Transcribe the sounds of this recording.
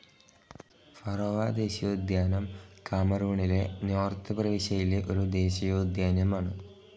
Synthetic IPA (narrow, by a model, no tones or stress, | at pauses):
fɐrɐʋaːd̪e̞ːɕijoːd̪jaːnɐmkaːmɐruːɳile̞noːrt̪ɨprɐʋiɕɐjileʔoɾud̪e̞ːɕɐjoːd̪jaːnjɐmaːɳɨ